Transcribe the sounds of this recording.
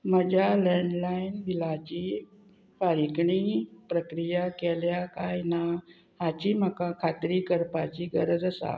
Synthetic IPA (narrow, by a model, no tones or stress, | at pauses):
məd͡ʑalɛɳɖlajinʋilat͡ɕiː | paɾikɳiːpɾəkɾijakɛljakajna | ɦat͡ɕiːməkakʰat̪ɾiːkəɾpat͡ɕiːɡəɾəd͡zəsa̰